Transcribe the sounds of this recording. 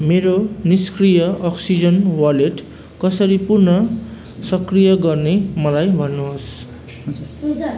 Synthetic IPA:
meɾoniskrijʌʔʌksid͡zʌnwʌleʈ | kʌsʌɾipurnʌ | sʌkrijʌɡʌrnemʌlajbʱʌnːuɦos

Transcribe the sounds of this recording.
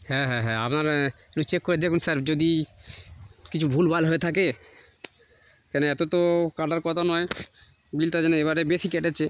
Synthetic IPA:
hɛ̃ɦɛ̃ɦɛ̃a̰pnaɾ | ɾut͡ɕekːoɾed̪ekʰunsaɾd͡ʑod̪i | kit͡ɕʰubʱulbalɦoet̪ʰak̬e | kɛnoɛt̪ot̪okaɖaɾkɔt̪ʰanɔe | bilʈad͡ʑɛneebaɾebesikɛʈet͡ɕʰe

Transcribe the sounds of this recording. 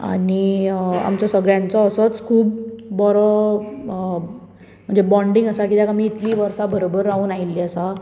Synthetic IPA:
a̰nia̰mt͡ɕɔsəɡɾjãnt͡sɔːsət͡skʰuːbːɔɾɔ | m̤əɳnd͡zebɔ̃ɳɖiŋɡəsakid̪jakamiːt̪liːʋəɾsabəɾobəɾauːnailːiəsa

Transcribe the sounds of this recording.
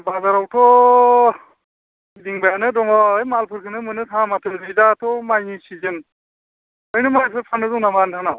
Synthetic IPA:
bazaɾawtʰɔ | diŋbajanɯdɔŋawajmalpʰɯɾkʰɯnɯmɯnɯtʰãmatʰɯzidatʰɔmajisizɯn | ɔjnɯmajs̬ɯpʰanɯzɔwnamantʰana

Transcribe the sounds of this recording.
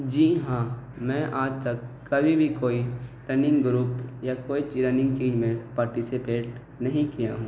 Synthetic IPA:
d͡ʒiːɦãː | mɛ̃ːʔaːd͡ʒt̪ɐkːɐbʱibʱikoːiʈɾɛnɪ̃ŋɡɡɾuːpjakoːit͡ʃɾɛnɪ̃ŋɡt͡ʃiːd͡ʒmẽpaːɾʈɪsipeːʈ | nɐɦĩkijaɦũː

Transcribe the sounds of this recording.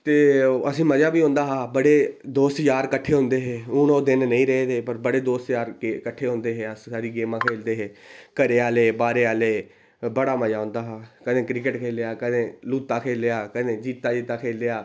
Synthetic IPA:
t̪eːəsĩːməd͡ʒaːbiːɦõːnd̪aːɦaːbəɽeːd̪oːst̪d͡ʒaːɾkəʈʰːeːõːnd̪eːɦeːʊːnoːd̪ɪnnəĩːɾɛed̪eːpəɾbəɽeːd̪oːst̪jaːɾkekəʈʰːeːɦõːnd̪eːɦeːəssaːɾiːɡeːmãːkʰeːld̪eːɦeːkəɾeːaːleːbaːɾeːaːleː | bəɽaːməd͡ʒaːõːnd̪aːɦaːkəd̪ẽːkɾɪk̬əʈkʰeːlejaːkəd̪ẽːluːt̪ːaːkʰeːleaːkəːd̪ẽːd͡ʒiːt̪ːaːd͡ʒiːt̪aːkʰeːld̪eaː

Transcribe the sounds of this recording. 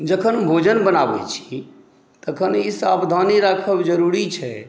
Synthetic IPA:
d͡ʒəkʰənbʱod͡ʒənbənaːbɛ̰t͡ʃʰi̥ | t̪əkʰənisabd̪ʱaniɾakʰəbd͡ʒəɾuɾit͡ʃʰɛ̰

